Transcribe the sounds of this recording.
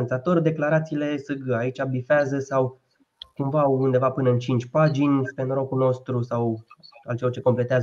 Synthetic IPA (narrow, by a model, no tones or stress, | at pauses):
nsat̪o̞rʲd̪e̞klaɾat̪siːle̞sɨɡait͡ʃʲabifeazəsaw | kumvaund̪e̞vapɨnəɨnt͡ʃint͡ʃʲpad͡ʒinʲpe̞nɾo̞kuno̞st̪ɾusawalt͡ʃelort͡ʃe̞ko̞mple̞t̪eaz